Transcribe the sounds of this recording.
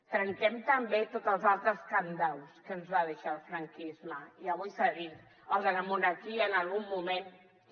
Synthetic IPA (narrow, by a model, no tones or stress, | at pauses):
t̪ɾəŋt̪ɛmt̪əmbet̪ot̪əlˠzalˠt̪ɾəskand̪alˠskənzβaðeʃalˠfɾaŋkizməiəβujsəɣi | əlˠðənəmunaɾkiəːnalˠɣumːumen